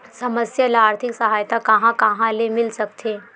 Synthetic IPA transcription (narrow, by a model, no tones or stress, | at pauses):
səməsjəlaːɾt̪ʰiksəɦaːjt̪akəɦãkaɦãlemilsəkt̪ʰe